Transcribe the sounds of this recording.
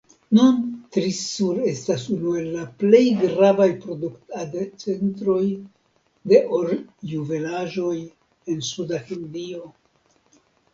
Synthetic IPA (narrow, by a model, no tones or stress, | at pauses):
nuntɾisuɾe̞stasunue̞lːaple̞jɡɾavajpɾo̞duktadt͡se̞ntɾo̞j | de̞ʔoɾjuve̞laʒo̞j | e̞nsudahindio̞